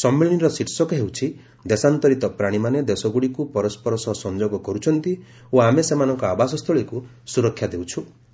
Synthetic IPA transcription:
sɔmːiɭniɾɔsiʈsɔkeɦewt͡ʃʰi | d̪esant̪ɔɾit̪ɔpɾaɽ̃imaned̪esɔɡuɽikupɔɾɔspɔɾɔsɔsɔnd͡ʒoɡɔkɔɾut͡ʃʰɔnt̪i | oamesemanɔŋkɔabas̬ɔst̪ʰɔɭiku | suɾɔkʰjad̪ewt͡ʃʰu

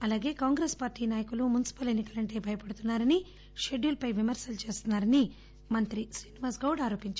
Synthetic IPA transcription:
ɐlaːɡe̞ːkaːŋɡɾeːspaːɾʈːiːnaːjɐkulumunisi̥pɐle̞nːikɐlɐɳʈe̞ːbʱɐjɐpɐɽut̪unːaːɾɐni | ʃe̞ɖjuːlpɐjʋimɐɾsɐlut͡ʃe̞ːst̪unːaːɾɐni | mɐnt̪ɾisiːniʋaːsɡɐwɽaːɾo̞ːpiɲt͡ʃ

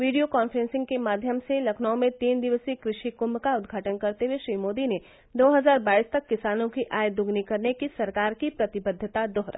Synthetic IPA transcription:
ʋiːɖijokaːnfɾɛ̃ːnsɪ̃ŋɡ̚kemaːd̪ʱjəmselɐkʰnaõmẽt̪iːnd̪ɪʋəsikɾɪʃikʊmkaʊd̪ɡʱaːʈənkɐɾt̪eɦweʃɾiːmoːd̪ine | d̪oːɦɐzaːɾbaːist̪ɐkːɪsaːnõkiʔaːjd̪ʊɡnikɐɾnekisɐɾkaːɾkipɾɐt̪ɪbəd̪ʱːət̪ad̪ɔːɦɾə̰

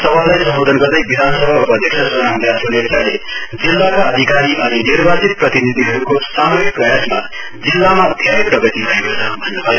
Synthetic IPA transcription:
sʌbʱʌnːajsʌmbod̪ʱʌnɡʌrd̪ʌjbid̪ʱanʌsʌbʱaupʌʌd̪ʱjeksʰʌsunaɦũnd̪asʰunet͡sale | d͡zilːakaʌd̪ʱikaɾiʔʌninirbʱat͡sit̪̚prʌt̪inid̪ʱiɦʌɾukosamoɾik̚prʌjasma | d͡zilːamab̪ʱjaeprʌɡʌt̪ibʱʌekot͡sʰʌ̰bʱʌnːebʱʌ

